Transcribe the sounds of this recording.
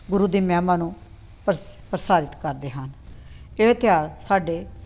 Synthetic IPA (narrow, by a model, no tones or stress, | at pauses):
ɡʊɾuːd̪iːmɛːmãːnũː | pəɾpəɾəsaːɾɪt̪kəɾd̪eːɦəneːt̪ɪjaːɾsaːɖeː